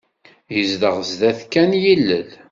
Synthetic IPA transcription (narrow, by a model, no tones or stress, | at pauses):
jəzd̪əʁəzðæθkːænjilːəl